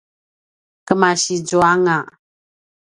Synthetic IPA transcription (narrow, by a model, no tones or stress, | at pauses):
kəmaʃid͡ʒoaŋa